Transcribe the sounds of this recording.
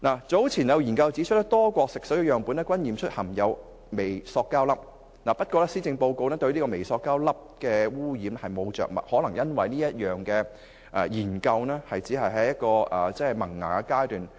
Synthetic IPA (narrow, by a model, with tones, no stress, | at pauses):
naː˨˩t͡so˨˥wt͡sʰiː˨˩njɐ˨˧wjiː˨˩nkɐ˧wt͡siː˨˥t͡ʃʰt̪̚ːɐ˥k̚t̪ɔː˥kʷɔː˧k̚sɪ˨ksɔ˨˥ji˧jœː˨ŋpuː˨˥nɛː˥kʷwɐ˥njiː˨mt͡ʃʰɵ˥t̚hɐ˨˩mjɐ˨˧w | me˨jsɔː˧kːaː˥wlɐ˥p̚ | naː˨˩pɐ˥t̚kʷɔː˧˥lɛː˥siː˥t͡sɪ˧ŋpo˧wko˧wnɛː˥t̪ɵ˧ɥniː˥kɔː˧me˨˩jsɔː˧kːaː˥wlɐ˥p̚kɛː˧wuː˥jiː˨˥m˥hɐ˨jmo˨˧wt͡ʃœ̰ː˨k̚mɐ̰˨˩t̚hɔː˨˥lɐ˨˩ŋjɐ˥nwɐ˨jniː˥jɐ˥t̚jœː˨˩ŋkɛː˧ | ʔɛ̰˨jiː˨˩nkɐ˧wnɛː˥hɐ˨jt͡siː˨˥ɦɐ˨jɦɐ˨jɐ˥t̚kɔː˧ʔɐː˨˩t͡sɛː˥˨˩mɐ˨˩ŋŋa̰ː˨˩kɛ˧kaː˥jt̪yː˨n